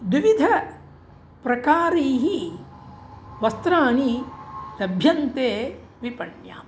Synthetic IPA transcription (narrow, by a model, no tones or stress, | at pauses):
d̪iʋid̪ʱɐ | pɾɐkaːɾiːɦi | ʋɐst̪ɾaːnilɐbʱjɐnt̪eː | ʋipɐɳja̰ːm